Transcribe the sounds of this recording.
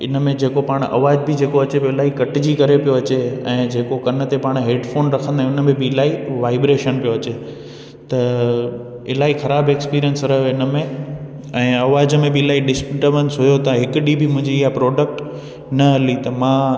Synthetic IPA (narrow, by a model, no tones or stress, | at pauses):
ɪnə̆mẽd͡ʑeːkopaːɽ̃ɐ̰ʋaːd͡ʑbɪd͡ʑeːkoɐt͡ɕeboɪlaːɦikɐʈɪd͡ʑikɐɾepijoɐt͡ɕeɛ̃ːd͡ʑeːkokɐnə̆t̪epaːɽ̃ɦeːɖfoːnɾɐkʰə̃nd̪aːɦʊnəmẽbɪɪlaːiʋaːɪbɾeːʃənpijoɐt͡ɕe | t̪ɐ | ɪlaːixɐɾaːbeːkspiːɾijənsɾɐɦjoɪnəmẽ | ɛ̃ːɐʋaːd͡ʑəmẽbɪɪlaːiɖɪspɪʈəʋənsɦʊjot̪ɐɦɪkʊɗibʱɪmʊ̃ɦɪ̃ɲd͡ʑiːɦapɾɔːɖək̚ʈ | nɐɦɐlit̪ɐmãː